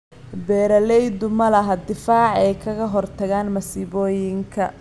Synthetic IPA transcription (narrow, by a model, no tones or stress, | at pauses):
bɛːɾɐlɛjd̪ʊmɐlɐɦɐd̪ɪfaːʕɛjkʰɐɣɐɦɔrt̪ʰɐɣaːnmɐsɪβɔːjɪŋkʰɐ